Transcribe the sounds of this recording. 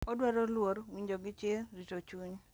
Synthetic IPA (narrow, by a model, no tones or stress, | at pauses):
ɔdwɛɾolwoɾwiɲd͡ʒoɡɪt͡ʃjeɾitot͡ʃuɲ